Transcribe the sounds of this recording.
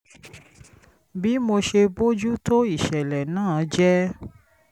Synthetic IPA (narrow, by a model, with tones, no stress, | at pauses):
bi˦mo˧ʃe˧bo˦d͡ʒu˦to˦i˦˨ʃɛ˨lɛ˨nãː˦˨d͡ʒɛ˦